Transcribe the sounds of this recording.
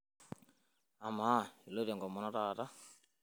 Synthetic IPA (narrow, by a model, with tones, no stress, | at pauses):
a˨ma˦i˨lo˦ɾe˨ŋɡɔ˨mɔ˨nɔ˦taː˨ta˦